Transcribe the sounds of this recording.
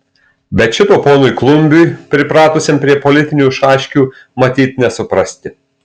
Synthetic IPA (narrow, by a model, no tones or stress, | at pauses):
bʲɛt̪ʃʲɪt̪oːpoːnʊɪklˠʊmʲbʲujpʲɾʲɪpɾɑːt̪ʊsʲempʲɾʲiɛpɔlʲɪt̪ʲɪnʲuːʃɑːʃʲkʲuː | mɐt̪ʲiːt̪ʲnʲɛsʊpɾɐsʲt̪ʲɪ